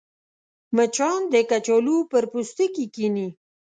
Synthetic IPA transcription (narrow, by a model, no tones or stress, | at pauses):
mət͡ʃɑnd̪əkat͡ʃolupəɾpust̪əkikini